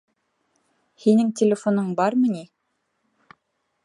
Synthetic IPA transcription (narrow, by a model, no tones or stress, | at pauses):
hinɘŋt̪ʲelʲɪfonoɴbɑɾmɤ̆ni